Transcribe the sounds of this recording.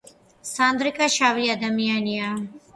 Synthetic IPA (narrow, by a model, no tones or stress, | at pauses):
sãːnd̪ɾɪkaʃaːʋɾijad̪ɐmijanija